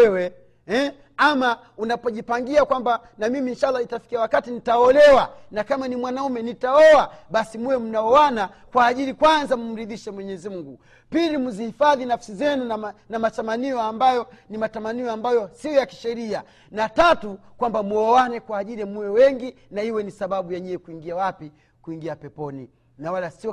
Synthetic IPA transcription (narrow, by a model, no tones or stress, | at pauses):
ɛwɛ | ɛ | ama | unapɔʄipaŋɡiakwamba | namiminʃalːaitafi̥kiawakatinitaɔlɛwanakamanimwanaumɛnitaɔaɓasimuwɛm̩naɔwana | kwaːʄiɾikwanzam̩m̩ɾiðiʃɛmwɛɲɛzimuŋɡu | pilimuzihifaðinafsizɛnunanamatamaniɔambajɔ | nimatamaniɔambajɔsiɔjaki̥ʃɛɾia | natatukwambamuɔwanɛkwaːʄiliamuwɛwɛŋɡinaiwɛnisaɓaɓujaɲɛɛkuiŋɡiawapi | kuiŋɡiapɛpɔni | nawalasiɔ